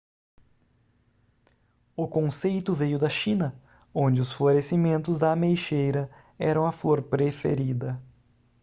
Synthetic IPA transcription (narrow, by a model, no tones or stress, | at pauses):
ʊkõsejt̪ʊvejʊd̪ɐʃĩnɐ | õnd͡ʒɪʊsfloɾesimẽnt̪ʊzd̪ɐmejʃejɾɐ | ɛɾɐ̃w̃ɐfloɾpɾefḛɾid̪ɐ